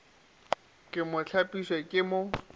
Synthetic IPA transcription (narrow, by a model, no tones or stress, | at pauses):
kʼɪmʊt͡ɬʰapʼiswɛkʼɪmʊ